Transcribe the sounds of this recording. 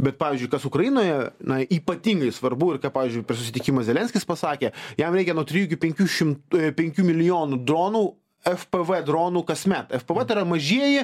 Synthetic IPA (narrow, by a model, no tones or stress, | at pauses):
bʲɛt̪̚pɑːʋʲiːzʲd͡ʒʊɪkɐsʊkɾɐjinoːjɛnɐiːpɐt̪ʲiːŋɡɐɪsʋɐrbuɪrkɑːpɑːʋʲiɪzʲd͡ʒʲʊpʲɛsʊ̥sʲɪt̪ʲɪkʲimɐzʲɛlʲɛnʲsʲkʲɪspɐsɑːkʲeːjɛmɾɛɪkʲɛnuɔt̪ɾʲɪjuːkʲɪpʲɛŋʲkʲuːʃʲɪmtpʲɛŋʲkʲuːmʲɪlʲɪjoːnud̪ɾoːnuː | ɛfpɛʋɛd̪ɾoːnuːkɐsmʲɛt̪ɛfpɛʋɛt̪ɐɾɐmɐʒʲiɛjɛ